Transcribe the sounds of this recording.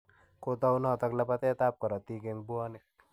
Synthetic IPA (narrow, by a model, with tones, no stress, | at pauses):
ko˦t̪ɔ˦wnɔ˦˨t̪ɔ˦kla˦pa˦t̪ɛ˦t̪a˦p̚kɔ˨ɾɔ˨t̪i˦ke˧ŋbu˦ɔ˦nɪ˦k̚